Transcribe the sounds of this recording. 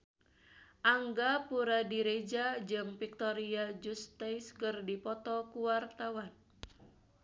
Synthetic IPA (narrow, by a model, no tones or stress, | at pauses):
ʔaŋɡapuɾadiɾed͡ʒad͡ʒɨŋfik̚t̪ɔɾiad͡ʒust̪ajskɨrdipɔt̪ɔkuwart̪awan